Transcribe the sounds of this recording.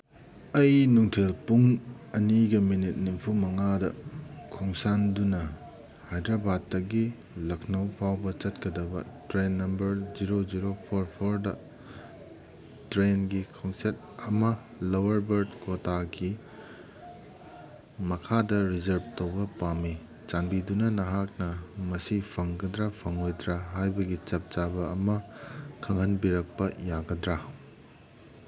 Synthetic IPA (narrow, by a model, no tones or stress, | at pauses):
ɐjnuŋtʰelpuŋ | ɐniɡɐminit̚nimpʰumɐŋadɐkʰoŋsandunɐ | hajdɾɐbad̚ːɐɡi | lɐkʰnɐwpʰawbɐt͡ʃɐtkɐdɐbɐtɾenːɐmbɐɾziɾod͡ʒiɾopʰoɾpʰoɾdɐ | tɾenɡikʰoŋset̚ | ɐmɐ | lɐwɐɾbɐɾdkotaɡi | mɐkʰadɐɾizɐɾb̚towbɐpami | t͡ʃanbidunɐnɐɦak̚nɐmɐsipʰɐŋɡɐdɾapʰɐŋojdɾaɦajbɐɡit͡ʃɐp̚t͡ʃabɐːmɐkʰɐŋɦɐnbiɾɐk̚pɐjaɡɐdɾa